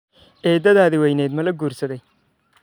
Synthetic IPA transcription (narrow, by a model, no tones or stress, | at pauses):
ɛːd̪ɐðaːðɪwɛjnɛːd̪mɐlɐɡuːɾsɐðɛj